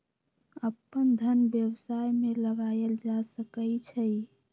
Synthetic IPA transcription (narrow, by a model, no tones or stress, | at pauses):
əpːənd̪ʱənbjəwsajmeləɡaeld͡ʒasəkəjt͡ʃʰəj